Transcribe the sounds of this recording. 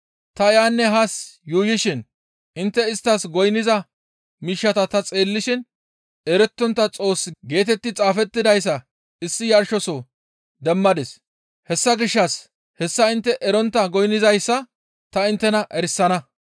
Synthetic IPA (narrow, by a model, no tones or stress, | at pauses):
t̪ɐɪjaːnːɛɦasjuːjɪʃɪn | ɪnt̪ːɛɪst̪ːɐsɡɔjnɪzɐ | miːʃːɐt̪ɐt̪ɐt͡sʼe̞ːlːɪʃɪn | ɛɾɛt̪ːɔnt̪ːɐt͡sʼo̞ːsːɡe̞ːt̪ɛt̪ːɪt͡sʼaːfɛt̪ːɪd̪ɐjs̬ːɐ | ɪsːɪjɐɾʃɔsɔ | d̪ɛmːɐd̪ɛs | hɛsːɐɡɪʃːɐs | hɛsːɐɪnt̪ːɛʔɛɾɔnt̪ːɐɡɔjnːɪzɐjsːɐ | t̪ɐɪnt̪ːɛnɐʔɛɾɪsːɐnɐ